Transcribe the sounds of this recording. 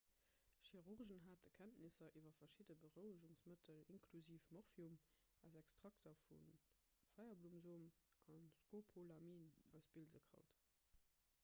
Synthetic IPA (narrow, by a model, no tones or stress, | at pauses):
ʃiʁuʁʒənɦaːt̚əkʰæntnisɐʔiːvɐfɐʃidəbəʁəʊəʒuŋsmətʰəliŋnkʰluziːfmɔʁfium | æʊzɛkstʁ̥ɑktɐfun | fɑɪɐbluːmzoːmʔɑnskoːpʰolamiːnæʊsb̥ilzəkʁɑ̰ʊt